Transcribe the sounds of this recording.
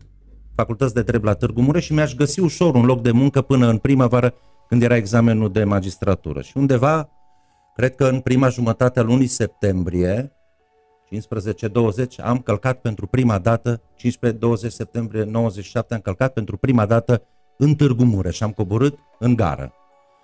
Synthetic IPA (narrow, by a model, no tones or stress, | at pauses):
fakult̪ət̪sʲd̪e̞t̪ɾeblat̪ɨrɡumuɾe̞ʃimeaʃ̬ɡəsiuʃo̞ɾunlo̞k̚d̪e̞muŋkəpɨnəɨnpɾimavaɾə | kɨnd̪jeɾae̞ɡzame̞nud̪e̞mad͡ʒist̪ɾat̪ṵɾə̰ʃiund̪e̞va | kɾe̞d̪̚kəɨnpɾimaʒumət̪at̪ealunise̞p̚t̪e̞mbɾije̞ | t͡ʃinspɾəze̞t͡ʃe̞d̪o̞wəze̞t͡ʃʲa̰mkəlkat̪̚pe̞nt̪ɾupɾimad̪at̪ət͡ʃinʃped̪o̞wəze̞t͡ʃʲse̞p̚t̪e̞mbɾije̞no̞wəzet͡ʃːi̥ʃap̚t̪eamkəlkat̪̚pe̞nt̪ɾupɾimad̪at̪ə | ɨnt̪ɨrɡumuɾe̞ʃiamko̞boɾɨt̪ | ɨŋɡa̰ɾə̰